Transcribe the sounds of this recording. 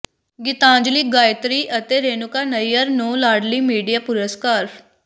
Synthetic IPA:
ɡɪt̪ãːɲd͡ʒliːɡaːjt̪ɾiːʔət̪eːɾeːnʊkaːnəijəɾnõːlaːɾɖliːmiːɖijaːpʊɾəskaːɾ

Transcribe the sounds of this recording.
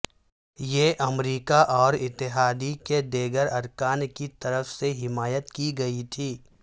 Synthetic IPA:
jeːʔɐmɾiːkaʔɔːɾɪt̪ːɪɦaːd̪iked̪eːɡəɾɐɾkaːnkit̪ɐɾəfseɦɪmaːjət̪kiɡɐit̪ʰiː

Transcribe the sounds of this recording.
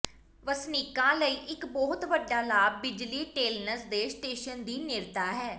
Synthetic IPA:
ʋəsniːkãːləiːʔɪkbɔːʊt̪ʋəɖːaːlaːb̚ːɪd͡ʒliːʈeːlnəsd̪eːsʈeːʃənd̪iːnɪɾt̪aːɦɛː

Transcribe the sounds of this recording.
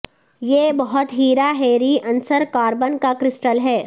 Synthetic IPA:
jeːbɐɦʊt̪ɦiːɾaɦeːɾiɐ̃nsəɾkaːɾbənkakɾɪsʈəlɦɛː

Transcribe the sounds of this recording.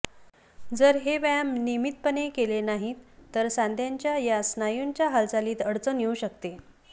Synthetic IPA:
d͡zəɾɦeʋamnimit̪̚pənekelenaɦit̪ːəɾsãnd̪ʱjaɲt͡ɕjajasnajuɲt͡ɕjaɦald͡zaliːt̪əɽt͡sənjeuɕəkt̪e

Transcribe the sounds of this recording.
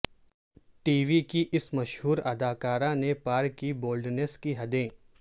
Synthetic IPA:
ʈiːʋikiʔɪsmɐʃɦuːɾɐd̪aːkaːɾãnepaːɾkːiboːlɖneːskiɦɐd̪ẽː

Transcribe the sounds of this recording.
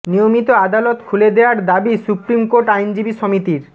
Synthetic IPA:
nijomit̪oad̪alot̪kʰuled̪eoaɾd̪abisupɾimkoɾʈajnd͡ʑibiʃomit̪iɾ

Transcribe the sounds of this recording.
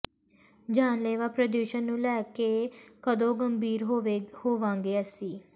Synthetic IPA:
d͡ʒaːnleːʋaːpɾəd̪juːʃənːũːlɛːkeːkəd̪õːɡəmbʱiːɾɦoehoːʋãːŋɡeːaːsiː

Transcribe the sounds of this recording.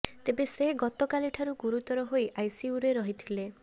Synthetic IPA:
t̪ebeseɦɡɔt̪ɔkaliʈʰaɾuɡuɾut̪ɔɾɔɦojʔajsiuɾeɾɔɦit̪ʰile

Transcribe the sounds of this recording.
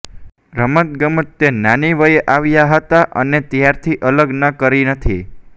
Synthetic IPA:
ɾəmət̪̚ɡəmət̪ːenaniʋəjeʔaʋjaɦət̪aʔənet̪jaɾt̪ʰiʔələɡnəkəɾinət̪ʰi

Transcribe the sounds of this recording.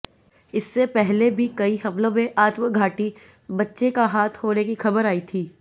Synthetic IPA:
ɪsːepɛɦlebʱikɐiɦɐflõmẽʔaːt̪ʋəɡʱaːʈi | bɐtːʃekaɦaːt̪ʰhoːnekixɐbəɾaːit̪ʰiː

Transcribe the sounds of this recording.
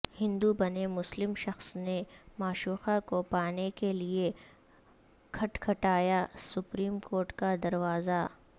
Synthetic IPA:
hɪ̃nd̪ubɐnemʊslɪmʃɐxsnemaːʃuːxakopaːnekelie | kʰɐʈkʰɐʈaːjasʊpɾiːmkoːɾʈkad̪ɐɾʋaːza

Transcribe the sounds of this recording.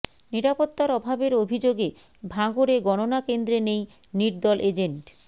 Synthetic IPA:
niɾapot̪ːaɾɔbʱabeɾobʱid͡ʑoɡe | bʱaɡoɾeɡɔnonakend̪ɾenej | niɾd̪ɔlʔed͡ʑeɳʈ

